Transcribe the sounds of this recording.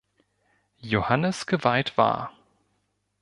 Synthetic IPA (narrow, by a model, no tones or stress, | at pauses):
johanəsɡ̥əvaɪtv̥a̰ːɐ